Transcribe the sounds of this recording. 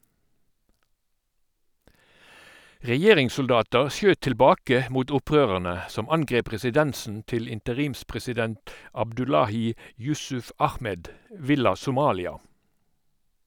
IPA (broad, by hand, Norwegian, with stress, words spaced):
ʁɛˈjeːʁɪŋsʊlˌdɑːtəʁ ˈsjøːt tɪlˈbɑːkə ˈmuːt ˈʊˌpʁøːʁəʁnə ˈsɔm ˈɑnˌɡʁeːp ʁɛsɪˈdɛnsn̩ ˈtɪl ɪntəˈʁiːmspʁɛsɪˌdɛnt ɑbdʉˈlɑːˌhiː ˈjʉsʉf ˈɑxˌmɛd ˈʋɪlɑ sʊˈmɑːlɪɑ